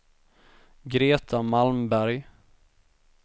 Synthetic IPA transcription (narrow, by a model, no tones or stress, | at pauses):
ɡɾeːt̪ʰamalmbæɾj